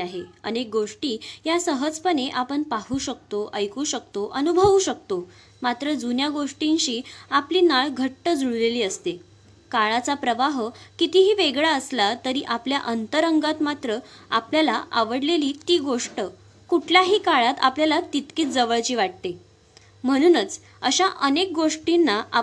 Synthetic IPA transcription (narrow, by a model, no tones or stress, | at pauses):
aɦeənek̚ɡoʂʈiːjasəɦəd͡zpəɳeʔapəɳpaɦuːɕək̚t̪oʔəjkuːɕək̚t̪oʔənubʱəʋuɕək̚t̪o | mat̪ɾəd͡zunjaɡoʂʈinɕiːapliːnaɭɡʱəʈːəd͡zuɭleliːəst̪e | kaɭat͡sapɾəʋaɦəkit̪iɦiːʋeɡɭaəslat̪əɾiːʔapljaʔənt̪əɾəŋɡat̪mat̪ɾəapljalaʔa̰ʋəɽleliːt̪iːɡoʂʈə | kuʈʰljaɦiːkaɭat̪a̰pljalat̪it̪kiːt̪d͡zəʋəɭt͡ɕiːʋaʈ̚t̪e | m̤əɽ̃uːnət͡s | əɕaʔənek̚ɡoʂʈinːaa